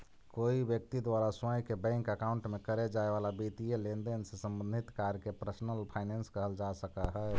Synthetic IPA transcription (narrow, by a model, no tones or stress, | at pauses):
koibjək̚t̪id̪waɾasãjkebɛ̃ŋkəkaʊɳʈmẽkəɾed͡ʒaeʋalabit̪ijelend̪ensesə̃mbə̃nd̪ʱit̪kaɾkepɾəsnəlpʰaɪnenskəɦəld͡ʒasəkaɦɛ